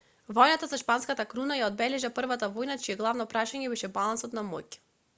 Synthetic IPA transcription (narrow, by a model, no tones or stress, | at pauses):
vɔjnat̪asaʃpanskat̪akɾunajaɔd̪̚bɛlɛʒapr̩vat̪avɔjnat͡ʃiɛɡlˠavnɔpɾaʃaɲɛbɛʃɛbalˠansɔt̪namɔjcɛ̥